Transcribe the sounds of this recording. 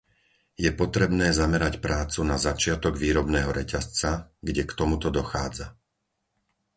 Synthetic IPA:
jɛpɔt̪ɾɛbnɛːzamɛɾacpɾaːt͡sunazat͡ʃɪat̪ɔɡʋiːɾɔbnɛːɦɔɾɛcast͡saɡɟɛkt̪ɔmut̪ɔd̪ɔxaːd͡za

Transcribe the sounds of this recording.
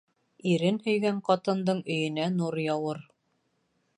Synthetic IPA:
iɾɘnhɵ̆jɡæɴqɑt̪ɤ̆nd̪ɤɴɵ̆jɵ̆nænuɾjɑwɤɾ

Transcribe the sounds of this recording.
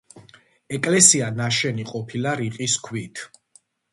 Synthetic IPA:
ɛkʼlɛsianaʃɛniqʼɔpʰilaɾiqʼiskʰwit̪ʰ

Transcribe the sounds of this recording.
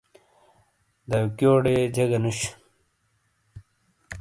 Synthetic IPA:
d̪ɐwkjoːɽed͡ʑɐɡɐnuɕ

